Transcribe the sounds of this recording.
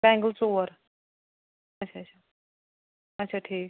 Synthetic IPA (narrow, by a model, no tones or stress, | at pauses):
bɛ̃ŋɡəlt͡soʋəɾ | ət͡ɕʰat͡ɕʰa | ət͡ʃʰaʈʰiːk̚